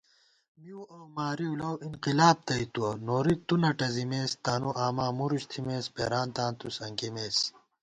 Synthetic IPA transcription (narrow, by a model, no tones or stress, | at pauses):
miuɐwmaːɾiulɐwinqilaːb̚t̪ɐit̪uɐnoːɾik̚t̪unɐʈɐzimeːst̪aːnuʔaːmaːmuɾuɕt̪ʰimeːspḛːɾaːnt̪ãːnt̪usɐŋkemeːs